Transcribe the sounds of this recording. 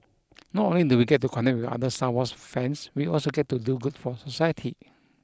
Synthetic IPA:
nɔtõnliduwiɡɛt̚ːukʰɔ̃nɛk̚wɪfa̰dəstawɔsfɛ̃nswiɔlsoɡɛt̚tːuduɡutfɔsosajətʰi

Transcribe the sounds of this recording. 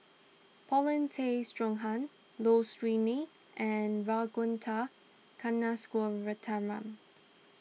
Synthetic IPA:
pʰɔlə̃ntʰestɹɔ̃ŋɦãn | lostɹini | ʔɛnɹaɡʊ̃ntʰa | kʰanːaskɔɹətʰaɹãm

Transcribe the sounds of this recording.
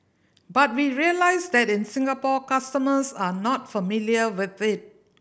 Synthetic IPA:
bat̚wiɹiəlaɪsd̪ɛtɪ̃nsɪ̃ŋɡəpɔkastəməsanɔt̚fəmiliəwɪθɪt̚

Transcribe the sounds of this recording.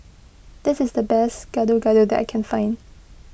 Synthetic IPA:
d̪̥ɪsɪsdəbɛsɡ̥adoɡaɾudɛtʔa̰ɪkʰɛ̃nfãɪ̃n

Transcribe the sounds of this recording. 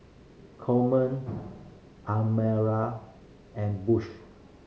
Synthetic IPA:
kʰɔmə̃n | ʔamɛɹa | ɛ̃nbuʃ

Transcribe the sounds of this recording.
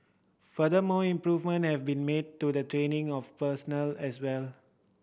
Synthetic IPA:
fədəmɔːĩmpɹuvmə̃nhɛvbĩnmed̚tudətɹẽnɪ̃ŋɔfpəsɔnəlɛswɛl

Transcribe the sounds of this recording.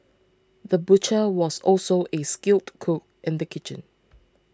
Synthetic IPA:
ðəbut͡ʃəwɔsɔlsoʔeskɪltkʰok̚ʔɪ̃ndəkʰɪt͡ʃə̰̃n

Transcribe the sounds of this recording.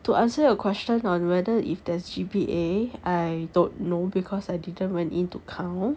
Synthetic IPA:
tuʔãnsəəkʰwɛst͡ʃə̃nɔ̃nwɛdəʔḭfdɛsd͡ʒibiʔeajdõnːobikʰɔsajdidə̃nwɛ̃ntĩntukʰãʊ̃n

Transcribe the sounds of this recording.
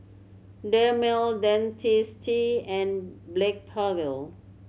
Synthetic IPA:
dɛmildɛ̃ntʰistʰiɛ̃nblɛk̚pʰaɡəl

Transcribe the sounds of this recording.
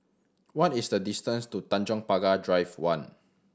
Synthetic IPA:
wɔtisdədistə̃nstutãnd͡ʒɔ̃ŋpaɡadɹajvwãn

